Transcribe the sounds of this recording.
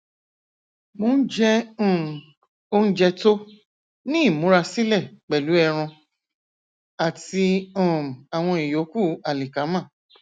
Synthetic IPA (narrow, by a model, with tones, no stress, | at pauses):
mõ˦n̩˦d͡ʒɛ̃˦˨ | o˦n̩˦d͡ʒɛ˧to˦ | nĩ˦i˦˨mũ˨˦ɾa˧si˦lɛ˦˨k͡pɛ˨lu˨˦ɛ˧ɾ̃ɔ̃˧ | a˨ti˧ɔ̃˦˨a˨w̃ɔ̃˧i˨jo˨˦ku˦˨a˨li˨ka˨˦mã˦˨